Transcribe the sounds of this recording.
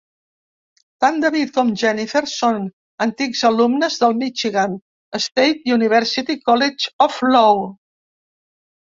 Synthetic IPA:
t̪and̪əβit̪̚kɔmʒɛnifeɾson | ənt̪ikzəlumnəzðəlˠmit͡ʃiɣam | əst̪ejt̪juniβɛɾsit̪ikɔled͡ʒɔflow

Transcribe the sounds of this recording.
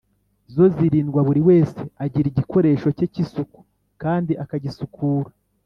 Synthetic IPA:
zo̞ziɾiːnɡwaβuɾiwe̞ːse̞aɟiɾiɟiko̞ɾe̞ːʃo̞cecisuku̥ | kaːndiʔakaɟisukʰuːɾa

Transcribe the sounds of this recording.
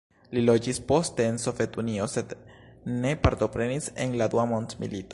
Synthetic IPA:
lilo̞d͡ʒispo̞st̪e̞ːnso̞vet̪unio̞se̞d̪ne̞paɾt̪o̞pɾe̞nisenlad̪uamont̪mḭlit̪o

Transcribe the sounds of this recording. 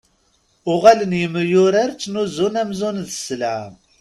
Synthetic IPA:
ʊʁælənjəmːəjʊɾəɾt͡sːnuzunæmzunðəslʕm

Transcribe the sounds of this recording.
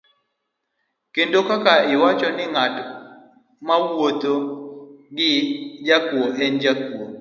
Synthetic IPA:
kendokakaɪwat͡ʃɔnɪŋat | mawot̪o | ɡɪd͡ʒakwoʔɛnd͡ʒakwo

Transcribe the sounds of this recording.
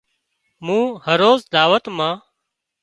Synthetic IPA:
mũːhəɾoːzd̪aːʋət̪mãː

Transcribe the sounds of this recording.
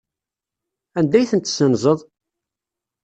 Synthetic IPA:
ænd̪æjθənt̪ːsənzˤəðˤ

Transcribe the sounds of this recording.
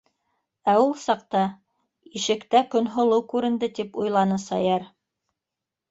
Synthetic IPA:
æulˠsɑqt̪ɑ | iʃɘ̆kt̪ækɵ̆nɦŏlˠɤwkʉɾɘ̆nd̪ɘt̪ipujlˠɑnɤsɑjɑɾ

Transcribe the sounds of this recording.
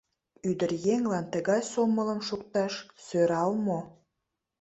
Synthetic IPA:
yd̪ərjeŋlɑnt̪əɣɑjsomələ̆mʃuk̚t̪ɑʃsøɾɑlmo

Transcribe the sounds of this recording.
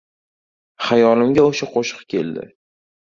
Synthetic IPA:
χajɒnɪmɡʲaoʃaqʰoʃɨ̥qkʲe̞̰ld̪ɪ̰

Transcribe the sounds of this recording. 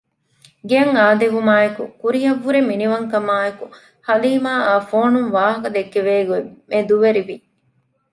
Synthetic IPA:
ɡeɐŋaːd̪eʋumaːekukuɾiɦɐʋːuɾeminiʋɐŋkɐmaːeku | hɐliːmaːaːfoːnuŋʋaːɦɐkɐd̪ekːeʋeːɡumed̪uʋeɾiʋi

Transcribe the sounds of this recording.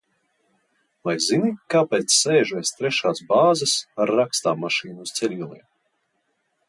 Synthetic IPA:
vajzinikaːpɛːt̪sːɛːʒuɛst̪ɾɛʃaːsbaːzasaɾːakst̪aːmaʃiːnuust̪sɛlʲilˠiɛm

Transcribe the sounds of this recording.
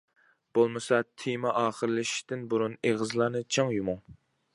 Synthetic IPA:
b̥olˠmɨsɑt̪ʰimɑʔɑːχəɾɨlɪʃi̥t̪ɪnbuɾuneʁɨzlˠɑːnɨt͡ʃʰɑŋjumuŋ

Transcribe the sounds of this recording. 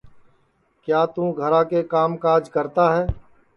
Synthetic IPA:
kjaːt̪ũːɡʱəɾãːkekaːmkaːɾd͡ʒkəɾt̪aːɦɛː

